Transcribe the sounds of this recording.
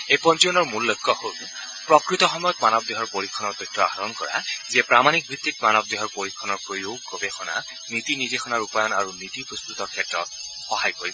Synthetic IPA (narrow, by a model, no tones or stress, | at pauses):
ejpɔnt͡ʃijɔnɔɹmullojkːɔhol | pɹɔkɹit̪ɔxɔmɔjɔt̪manɔb̚d̪eɦɔɹpoɹikʰːɔnɔɹt̪ɔjtʰːɔa̰ɦaɹɔnkɔ̰ɹa̰ziɛpɹamanik̚bʱit̪ːitmanɔb̚d̪eɦɔɹpoɹikʰːɔnɔɹpɹojoɡobexɔna̰ | nit̪inid̪exɔnaɹupajɔnaɹunit̪ipɹɔst̪ut̪ɔɹkʰɛtɹɔ̰t | xɔɦajkoɹib